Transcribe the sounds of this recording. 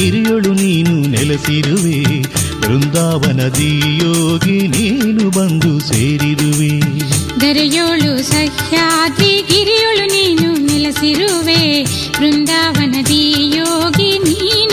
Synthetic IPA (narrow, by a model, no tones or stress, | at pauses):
iɾijoɭuniːnunilɐsiɾuʋeːbɾund̪aːʋɐnɐd̪ijoːɡiniːnubɐnd̪useːɾiɾuʋed̪ɐɾɐjoːɭusɐhjaːd̪iɡiɾijoɭuniːnunilɐsiɾuʋeː | bɾund̪aːʋɐnɐd̪ijoːɡiniːn